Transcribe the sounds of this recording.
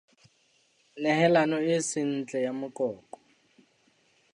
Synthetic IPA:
nɛhɛlanɔɪsɪn̩t͡ɬʼɛjamʊkʼɔːkʼɔ̥

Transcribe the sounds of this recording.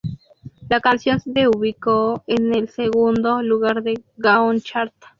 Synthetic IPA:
lakansjonseðeuβikoenelseɣund̪oluɣaɾðeɣaont͡ʃaɾt̪ḁ

